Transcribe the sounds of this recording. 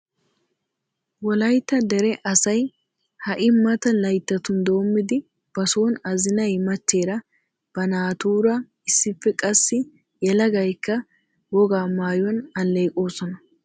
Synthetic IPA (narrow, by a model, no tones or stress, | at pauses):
wɔlɐjt̪ːɐd̪ɛɾɛʔɐsɐj | hɐʔɪmːɐt̪ɐlɐjt̪ːɐt̪ʊnd̪o̞ːmːɪd̪ɪ | b̥ɐsoːnɐzɪnɐjmɐt͡ʃːeːɾɐ | b̥ɐnaːt̪uːɾɐ | ɪsːɪfːɛkʼɐsːɪ | jɛlɐɡɐjkːɐ | wɔɡaːmaːjɔnɐlːejkʼo̞ːsɔnɐ